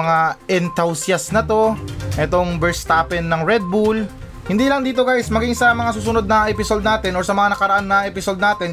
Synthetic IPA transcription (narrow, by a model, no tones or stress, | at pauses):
ŋaʔɛnt̪awsjɐsnɐt̪o̞ʔɛt̪o̞ŋbɛɹst̪apɛnːɐŋɹɛd̪̚bul | hɪnd̪iːlɐŋd̪iːt̪o̞ɡajsmɐɡiŋsɐmɐŋasuːsʊno̞d̪̚nɐʔɛpɪsod̪naːt̪ɛnoɹsɐmɐŋanɐkɐɾɐʔanːɐʔɛpɪsod̪̚naːt̪ɛn